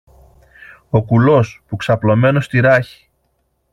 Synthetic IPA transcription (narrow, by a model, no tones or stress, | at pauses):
o̞kulo̞spuksɐplo̞me̞no̞st̪iɾɐçi̥